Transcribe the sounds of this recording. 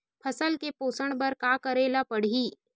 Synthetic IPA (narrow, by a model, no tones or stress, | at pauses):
pʰɐsəlkepoːsəɽ̃bɐɾkakəɾeːlapɐɽ̤iː